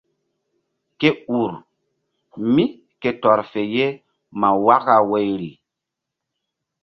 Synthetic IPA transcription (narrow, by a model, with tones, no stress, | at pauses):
ke˦u˨ɾ | mi˦ | ke˨tɔ˨ɾfe˨je˦ | ma˨wa˦ka˨we˨jɾi˨